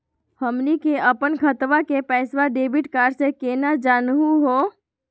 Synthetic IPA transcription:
həmnikeʔəpənkʰət̪ʋakepɛːsʋaɖeːbɪʈkaːɾsekeːnad͡ʒaːnɦuɦoː

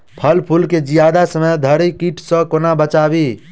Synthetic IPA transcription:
pʰəlpʰulked͡ʒijad̪asəməjd̪ʱəɾikiʈʰsə̃konabət͡ʃaːbi

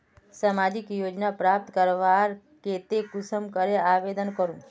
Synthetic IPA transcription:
samad͡ʒikjod͡ʒnapɾap̚t̪kəɾʋaɾ | ket̪ekusəmkəɾeaʋed̪ənkəɾũ

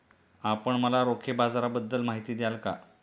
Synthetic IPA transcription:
apəɳməlaɾokʰebad͡zaɾabəd̪ːəlmaɦit̪iːd̪ejalka̰

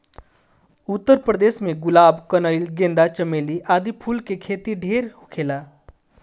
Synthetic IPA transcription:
ut̪ːəɾpɾəd̪eːsmẽɡulaːbkənəjlɡẽnd̪at͡ʃəmeliʔaːd̪ipʰulkekʰet̪iɖʱeɾhukʰela

